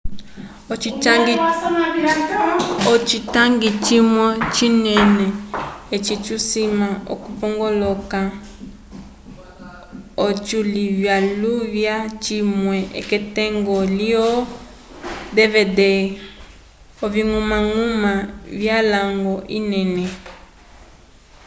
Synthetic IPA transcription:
iŋɡ | ɔt͡ʃitaŋɡit͡ʃimwɔt͡ʃinɛnɛet͡ʃit͡ʃusimaɔ̰kupɔŋɡɔlɔka | ot͡ʃulivjaluvjat͡ʃimwɛʔɛ̰kɛtɛŋɡɔliɔ | dɛvɛdɛ | ɔviŋumaŋumavjalaŋɡɔʔinɛnɛ

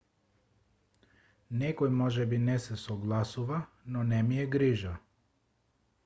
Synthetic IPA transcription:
nɛkɔjmɔʒɛbinɛsɛsɔɡlˠasuva | nɔnɛmijɛɡɾiʒa

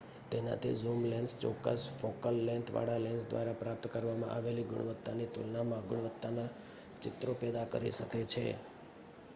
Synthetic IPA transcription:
t̪ena̰t̪ʰḭzumlɛnst͡ʃɔ̰kːə̰sfokəlːɛ̃nt̪ʰʋa̰ɽalɛnsd̪ʋa̰ɾapɾap̚t̪kəɾʋamã̰ʔaʋeliɡʊ̰ɽ̃ʋət̪ːanit̪ulnamãɡʊɳ̃ʋət̪ːana | t͡ʃɪt̪ɾopɛd̪akə̰ɾḭʃəket͡ʃʰḛ

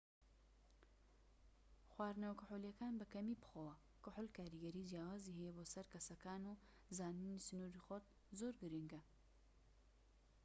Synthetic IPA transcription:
xwaːɾnɐwkʊħulijɐkaːnbɨkɐmipɨ̥xowɐ | kʊħʊlkaːɾiɡɐɾiːd͡ʒjaːwaːzihijeboːsɐɾkɐsɐkaːnu | zaːninisɨnuɾixɔt̪̚ | zoːɾɡɨɾiŋɡɐ

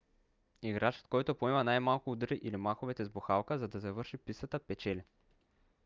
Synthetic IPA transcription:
iɡɾat͡ʃə̥t̪̚kɔjt̪opoɛmɐnajmalˠkʊd̪ɾiʔilimaxovɛt̪ɛzboxalˠkəzɐd̪ɐzɐvɤɾʃipisət̪əpɛt͡ʃɛli

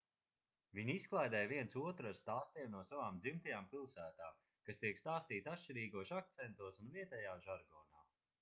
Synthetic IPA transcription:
viɲisklˠajd̪ɛːjviɛnsuɔt̪ɾast̪aːst̪iɛmnuɔsavaːmd̪zimt̪ajaːmpilˠsæːt̪aːm | kast̪iɛkst̪aːst̪iːt̪at̪ʃt͡ʃiɾiːɡuɔʃak̚t̪sɛnt̪uɔsunviɛt̪ɛjaːʒaɾɡɔːnaː

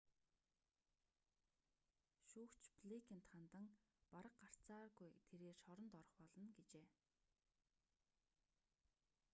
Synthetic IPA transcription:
ʃuːkt͡ɕpɮekʰʲen̥t̪χant̪ə̆ŋpaɾə̆qɢar̥t͡saːɣujt̪ʰeɾeːrʃɔɾɞ̆nt̪ɔɾɞ̆χpɔɮɞ̆nɡet͡ɕeː

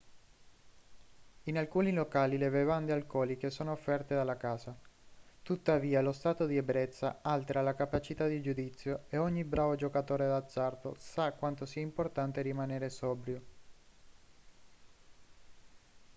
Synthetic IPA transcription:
inalkuːnilokaːlilevevand̪ealkɔːlik̟esoːnoːfːɛrt̪ed̪alːakaːzat̪ut̪ːaviːalost̪aːt̪od̪iɛbɾɛt̪sːa̰alt̪eɾalakapat͡ʃit̪ad̪id͡ʒud̪it̪sːjoeɔɲːibɾaːvod͡ʒokat̪oːɾed̪ad̪zːart̪o̰sakːwant̪osiaimport̪ant̪eɾimaneːɾesɔːbɾjo

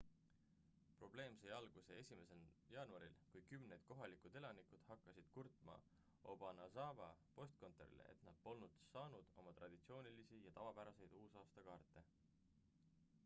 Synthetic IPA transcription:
pro̞b̥le̞ːmsejɑlɡ̥usee̞sʲime̞senjɑːnuɑɾilkujkymnejd̪̥̚ko̞ɦɑlikud̪̥e̞lɑnikud̪̥hɑkːˑɑsid̪̥kurt̪ˑmɑ̰ | o̞bɑnɑsɑvɑ̰po̞st̪̚ko̞nt̪ˑeɾḭlḛʔḛt̪nɑd̪̥̚po̞lnud̪̥sɑːnud̪̥o̞mɑt̪rɑd̪̥it̪sio̞ːnilisijɑt̪ɑvɑb̥æɾɑse̞jd̪̥uːsɑːst̪ɑkɑːrt̪ːˑe̞

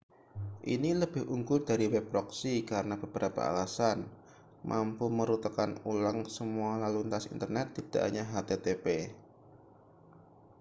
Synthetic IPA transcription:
ʔḭniləb̥ɪhʔuŋɡʊrdaɾiwɛp̚ɾɔksikaɾənab̥ə̤b̥əɾapa̰a̰lasan | mʔampuməɾut̪akanulaŋsəmualalunt̪asḭnt̪ərnɛt̪ːid̥a̰ʔɲaɦat̪et̪epe

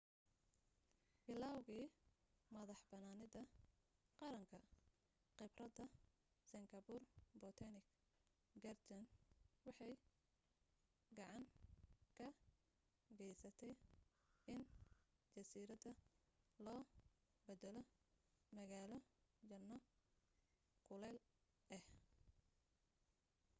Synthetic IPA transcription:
b̥ɪlaːwɣiː | mɐðɑħbɐnaːnɪðɐ | qɑɾɐŋkʰɐ | qɪbrɐd̪ɐ | sɪŋɡɐbʊrbɔt̪ʰɐnɪk | ɡɐrt̪ʰɐnwɑħɑj | ɡɑʕɑŋkʰɐ | ɡɛjsɐt̪ʰɛj | ʔɪnt͡ʃɐsiːɾɐd̪ɐlɔː | bɛd̪ɛlɔmɐɣaːlɔd͡ʒɐnːɔ | kʰʊlɛl | ʔɛh

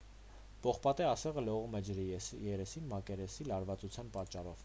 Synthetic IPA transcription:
pɔχpɑt̪ɛɑsɛʁəlɔʁumɛd͡ʒɾijɛɾɛsinmɑkɛɾɛsilɑɾvɑt͡sut͡sʰjɑnpɑt͡ʃːɑɾɔv

